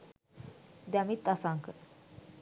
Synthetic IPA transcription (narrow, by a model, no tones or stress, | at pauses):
d̪amit̪ːasaŋkə